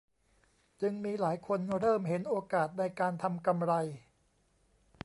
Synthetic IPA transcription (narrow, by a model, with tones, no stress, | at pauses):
t͡ɕɯ˧ŋmiː˧laː˩˦jkʰo˧nɾɤː˥˩mɦe˩˦nʔoː˧kaː˨˩t̪̚na˧jkaː˧nt̪ʰa˧mka˧mɾa˧j